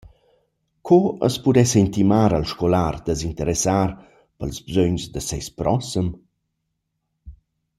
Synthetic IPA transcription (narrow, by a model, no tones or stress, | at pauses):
kʰɔə̰spud̪ɛsəint̪imaːɾəlʃkolard̪əzint̪əɾɛsaːɾ | pəlzbzøɲzd̪əsɛjspɾʔɔsəm